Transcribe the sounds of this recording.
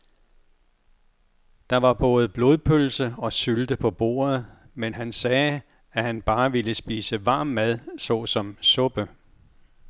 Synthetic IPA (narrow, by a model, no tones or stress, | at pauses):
d̥ɑ̈ʋɑ̈b̥ɔ̽ːð̞̩ˠb̥lo̝ðˠpʰølsəɒ̽syld̥əpʰɒ̽b̥o̝̰ːɐð̩ˠ | menɦænsɛː | æhænb̥ɑ̈ːʋiləsb̥iːsəʋɑ̰̈ːmːæð̞ˠsɒ̽sɒ̽msɔ̽b̥ə